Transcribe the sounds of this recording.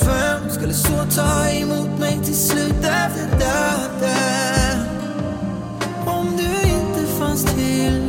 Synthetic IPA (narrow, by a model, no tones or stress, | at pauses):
fœmskɵlːəsoːt̪ʰɑːɛmuːt̪mɛjt̪ʰɪlslʉ̟ːt̪ɛfəd̪œːd̪a | ɔmd̪ɵɪnt̪əfanst̪ʰɪl